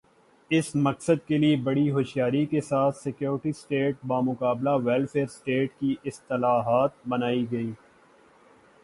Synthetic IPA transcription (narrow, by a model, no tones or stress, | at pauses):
ɪsmɐksəd̪̚keliebɐɽiɦoːʃjaːɾikesaːt̪ʰsekjoːɾʈisʈeːʈ̚baːmʊkaːblaʋɛlfeːɾsʈeːʈkiʔɪst̪ɪlaːɦaːt̪̚bɐnaːiɡɐiː